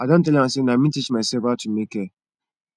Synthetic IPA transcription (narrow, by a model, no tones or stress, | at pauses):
adɔ̃ntɛlãsenamĩtit͡ʃmaɪsebatʰumekɛ